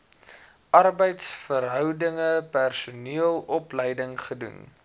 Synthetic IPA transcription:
ʔɐrbəjtsfərɦœwdəŋəpærsuniəlˠɔpləjdəŋχədṵn

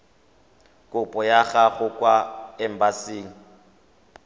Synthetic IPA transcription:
kʼʊpʼɔjaɣaɣʊkʼwaɛm̩basiːŋ̩

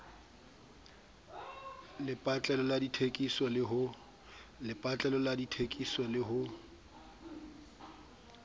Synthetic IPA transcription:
lɪpʼat͡ɬʼɛlɔladitʰekʼisɔlɪɦʊ | lɪpʼat͡ɬʼɛlɔladitʰekʼisɔlɪɦʊ

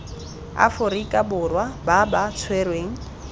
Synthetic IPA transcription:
a̰fʊɾikʼabʊrwababat͡sʰwerweŋ̩

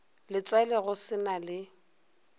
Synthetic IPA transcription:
lɪt͡sʼwaɛlɛɣʊsɪnalɪ

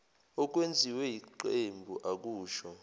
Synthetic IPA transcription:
ɔk̬ʼwend͡zʱiwɛjiǃembʱuʔak̬ʼuːʃɔ

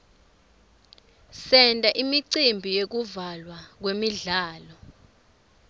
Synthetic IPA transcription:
sɛntʼaʔimiǀimbʱijek̬uvalwak̬wemiɮaːlɔ

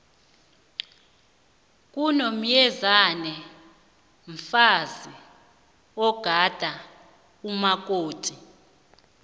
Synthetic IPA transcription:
kʼunom̩jɛzanɛ | ɱfazi | ɔɡ̥ʱad̥ʱa | kumak̬ʼoːtʼi

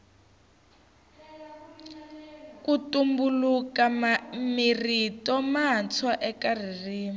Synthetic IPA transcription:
kutumbulukamiritɔmat͡sʰaʔɛkaririːm

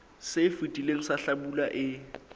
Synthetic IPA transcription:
sefutʼileŋ̩saɬabulaʔɪ

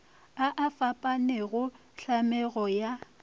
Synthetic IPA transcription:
aʔafapʼanɛɣʊ | ɬamɛɣɔja

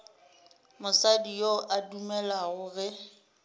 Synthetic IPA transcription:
mʊsadijoʔadumɛlaɣʊɣɛ

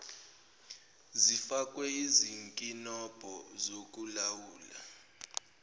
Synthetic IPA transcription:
zifak̬ʼwɛiziŋkʼinɔb̥ʱɔzok̬ʼulawuːla̰

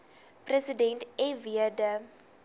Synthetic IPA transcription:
prəsədɛntɛviədə

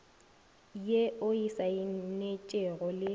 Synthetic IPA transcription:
jeʔʊisaɪnet͡ʃʼɛɣɔlɪ

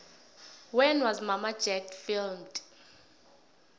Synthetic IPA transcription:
wɛnwɔzmamad͡ʒɛkfilmd̥

